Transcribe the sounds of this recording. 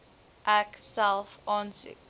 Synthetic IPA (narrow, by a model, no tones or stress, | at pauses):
ʔæksɛlˠfɑːnsʉ̰k